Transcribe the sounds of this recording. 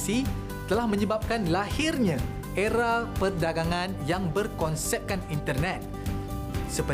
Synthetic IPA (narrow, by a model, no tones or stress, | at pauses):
si | t̪əlahmə̃ɲəbap̚kanlahirɲã | ʔeɾapərdaɡaŋãnjaŋbərkɔnsɛp̚kanint̪ərnɛt̪̚ | səpə